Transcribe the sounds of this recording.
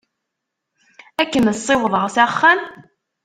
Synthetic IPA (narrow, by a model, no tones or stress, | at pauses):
ækːənəsˤːewəðˤəʁsæχːæn